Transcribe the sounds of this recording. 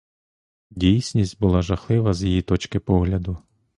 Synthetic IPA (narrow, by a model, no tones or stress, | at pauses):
dʲijsʲnʲisʲtʲbʊlˠɑʒɐxlˠɪʋɐzʲjejit̪ɔt͡ʃkɪpɔɦlʲɐd̪ʊ